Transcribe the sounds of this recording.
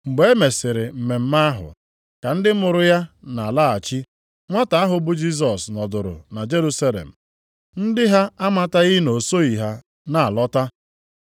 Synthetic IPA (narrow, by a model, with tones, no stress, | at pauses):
ŋ͡m̩˨ɡ͡be˨e˦me˨sɪ˨ɾɪ˨m̩˨me˨m̩˦ma˦ɦʊ̰˨ | ka˨n̩˦dɪ˦mʊ˨ɾʊ˦ja˦na˨la˦˨a˨t͡ʃi˦ | ŋʷa˦ta˨a˦ɦʊ˨bʊ˦d͡ʒi˦s̬ɔ˨snɔ˨dʊ˨ɾʊ̰˨na˨d͡ʒe˦ɾu˦sa˦lḛ˨m̩˨ | n̩˦dɪ˦ɦa˦a˦ma˦ta˦ɣi˦no˨so˦i˨ɦa˦ | na˨a˨lɔ˦ta˦